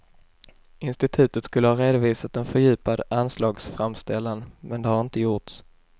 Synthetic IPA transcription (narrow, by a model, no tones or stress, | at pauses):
ɪnst̪ɪt̪ʰʉ̟ːt̪ət̪skɵlːəhɑːɾeːd̪ʊviːsat̪ɛnfœɾjʉ̟ːpad̪anslɑːɡsfɾamst̪ɛlːanmɛnd̪ɛhaɾɪnt̪əjʊʈs